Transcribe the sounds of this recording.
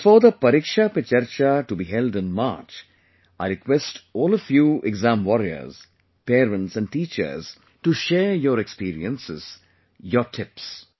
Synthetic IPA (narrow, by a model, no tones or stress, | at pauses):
fɔd̪əpɐɾikʃapɪt͡ʃəɾt͡ʃaʈubiɦɛlɖɪ̃nma̰ːt͡ʃ | aɪɾɪkwɛsʈɔːləfjuːeɡzæ̃mʋɔɾiə̰ɾz̥ | peːɾə̃nʈsæ̃ɳɖ̚ʈiːt͡ʃə̰ɾz̥ | ʈuʃeːɾjɔːɾekspiːɾḭə̃nsɪz̥ | jɔɾʈʰɪps